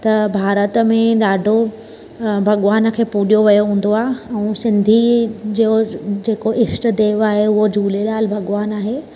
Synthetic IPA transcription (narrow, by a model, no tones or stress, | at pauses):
t̪ɐbʱaːɾət̪əmẽɗaːɖʱo | bʱɐɠʋaːnə̆kʰeːpuːɗijoʋɐjoɦũːn̆d̪oaːɦɛ̃ũːsɪ̃nd̪ʱid͡ʑiːjod͡ʑeːkoʔɪsʈ̆d̪eːʋaːɦeʊɦod͡ʑʱuːlelaːlbʱɐɠʋaːnaːɦeː